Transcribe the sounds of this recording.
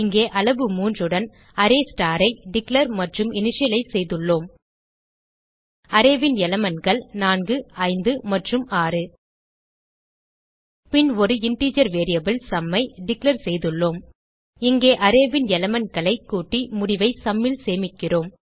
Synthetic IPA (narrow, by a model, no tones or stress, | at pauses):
ɪŋɡeːʔɐɭɐʋɯmuːndrɯɽɐn | ɐɾeːsʈaːɾɐɪɖɪklɐɾmɐʈrɯmɪnɪʂɪjɐlɐɪsɛjðɯɭːoːm | ɐɾeːʋɪnjɛlɐmɐnɡɐɭnaːnɡɯɐɪnd̪ɯmɐʈrɯmaːrɯ | pɪnɔɾɯɪɳʈiːd͡ʒɐɾʋeːɾɪjɐbɪlsɐmːɐɪɖɪklɐɾsɛjðɯɭːoːm | ɪŋɡeːʔɐɾeːʋɪnɛlɐmɐnkɐɭɐɪkːuːʈːimʊɽɪʋɐɪsɐmːɪlseːmɪʈ̚kːɪroːm